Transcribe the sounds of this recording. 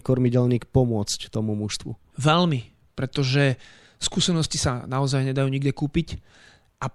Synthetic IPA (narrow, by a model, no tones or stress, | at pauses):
kɔɾmiɟɛlniːkpɔmʊɔt͡sct̪ɔmumuʃst̪ʋṵ | ʋɛlmi | pɾɛt̪ɔʒɛ | skuːsɛnɔscisanaɔzajɲɛd̪ajuːɲiɡɟɛkuːpic | ʔa